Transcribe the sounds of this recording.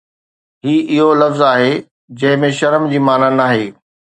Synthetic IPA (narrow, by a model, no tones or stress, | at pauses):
ɦiːʔɪɦolɐfzaːɦe | d͡ʑɐ̃ɦɪ̃mẽʃɐɾmd͡ʑiːmaːnanaːɦeː